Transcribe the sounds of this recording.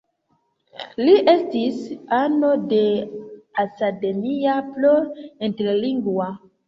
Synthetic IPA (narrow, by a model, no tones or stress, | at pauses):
liʔestisano̞de | asademiaploenteɾliŋɡwa